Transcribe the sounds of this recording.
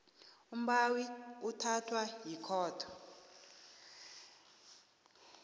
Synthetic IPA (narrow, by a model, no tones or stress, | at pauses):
um̩ɓawiutʰatʰwajikʰɔːtʰɔ̥